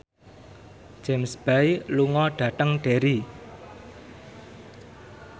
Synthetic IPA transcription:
d͡ʒ̥emsb̥ajluŋɔɖ̥ä̤t̪əŋɖ̥eɾi

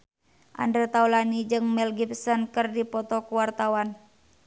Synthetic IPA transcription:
ʔa̰ndət̪aulanid͡ʒɨŋmɛlɡipsɔnkɨrdipɔt̪ɔkuwart̪awan

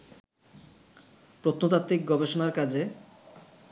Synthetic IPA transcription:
pɾot̪not̪at̪ːɾik̚ɡɔbeʃonaɾkad͡ʑʱe

